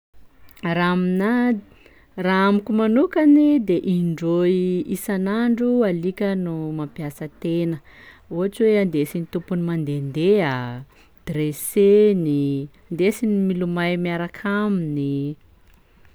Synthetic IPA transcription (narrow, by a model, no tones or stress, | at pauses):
ramina | raamikʲumanukanid̪eʔiɳɖ͡ʐoiisanaɳɖ͡ʐualikʲənumampiasət̪enə | uɦaʈ͡ʂiweand̪esinit̪upunimand̪end̪ea | d̪̥ɾeseniand̪esinimilumajmiaɾakʰamini